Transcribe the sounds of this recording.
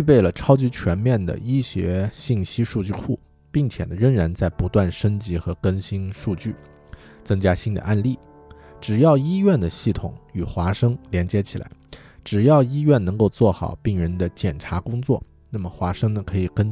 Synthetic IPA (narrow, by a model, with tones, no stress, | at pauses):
y˥˧p̬e˥˩ɪlə˩ʈ͡ʂʰɑ˥ʊt͡ɕi˧˥t͡ɕʰɥɛ˧˥nmjɛ˥˩nd̪ə̰˩i˥ɕjɛ˧˥ɕi˥˩ŋɕi˥ʂu˥˧t͡ɕy˥˧kʰu˥˩ | pi˥˩ŋt͡ɕʰjɛ̰˨˩nə˦ɻə˥˩ŋɻa˧˥nt͡sa˥˩ɪpu˧˥t̪wa˥˩nʂə˥ŋt͡ɕi˧˥xɤ˧˥kə˥nɕi˥nʂu˥˧t͡ɕy˥˩ | t͡sɤ˥ŋt͡ɕja˥ɕi˥nd̪ə̰˧ʔa˥˧nli˥˩ | ʈ͡ʂɻ̩˨˩jɑ˥˩ʊi˥ɥɛ˥˩nd̪ə˩ɕi˥˩t̪ʰʊ̰˨˩˦ŋy˨˩xwa˧˥ʂɤ˥ŋljɛ˧˥nt͡ɕjɛ˧˥t͡ɕʰi˨˩lʔa̰˧˥ɪ | ʈ͡ʂɻ̩˨˩jɑ˥˩ʊi˥ɥɛ˥˩nnɤ˧˥ŋko˥˧ʊt͡swɔ˥˩xɑ̰˨˩ʊpi˥˩ŋɻə˧˥nd̪ə˧t͡ɕjɛ˨˩nʈ͡ʂʰa˧˥kʊ˥ŋt͡swɔ̰˥˩ | na˥˩mə˩xwa˧˥ʂɤ˥ŋnə˨kʰɤ˧˥i˨˩kə˥n